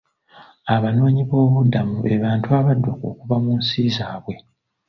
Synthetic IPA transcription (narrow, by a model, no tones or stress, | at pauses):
aβano̞ːɲiβo̞ːβudːamuβeβaːntuaβadːoko̰ːkuβamuːnsiːzaːβwe̞